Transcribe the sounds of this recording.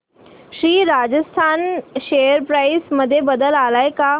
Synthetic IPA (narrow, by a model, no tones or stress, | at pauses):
ʃɾiːɾaːd͡ʒəst̪ʰaːnʃeːjəɾpɾaːɪsmɐd̪ʱjebɐd̪əlaːlaːeka